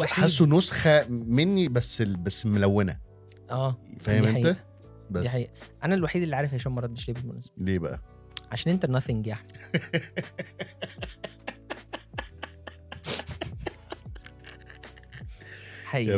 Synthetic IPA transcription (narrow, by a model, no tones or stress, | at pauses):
wħesːonosxæmenːibæsːebæsːmolæwːenæ̰ | ʔæːfæhemʔeait̪æ | bæiħaiːʔæʔænælwaħiːd̪elːiʕaːɾefaʃæːnmæɾˤɑd̪ːeʃleːbelmo̰næ̰se̥bleːbæʔæ̰ | ʕaʃæːnʔent̪ænɑθeŋɡjaʕni̥ | ħaʔiː